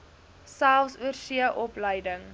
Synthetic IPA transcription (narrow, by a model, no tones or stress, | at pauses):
sælˠfsuərsiəʔɔpləjdəŋ